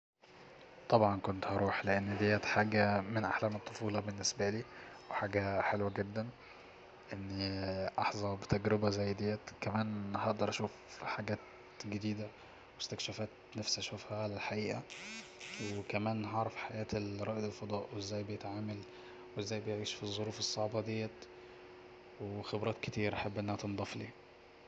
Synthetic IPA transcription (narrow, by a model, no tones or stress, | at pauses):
t̪ˤɑbʕɑnkont̪hɑɾˤuːħleʔenːd̪ejːæt̪ħaːɡæmenʔaħlæːmɑt̪ˤːofuːlɑbenːesbæliː | weħaːɡæħelwæɡed̪ːæn | ʔenːʔɑħzˤɑbt̪æɡɾebæzæjːd̪ejːæt̪kæmæːnhɑʔd̪ɑɾˤʔæʃuːfħaɡæːt̪ | ɡed̪iːd̪æ | west̪ækʃæfæːt̪næfsæʃofhælɪlħaʔiːʔæ | wkæmæːnɦɑʕɾˤɑfħajæːt̪elɾˤɑːʔd̪elfɑd̪ˤɑːʔwʔezːæːjbɪjet̪ʕaːmæl | wʔezːæːjbejʕiːʃfizˤːoɾuːfesˤːɑʕbɑd̪ejːæ | wexebɾˤɑːt̪kɪt̪iːɾʔaħabːʔenːæhæt̪end̪ˤɑflḭː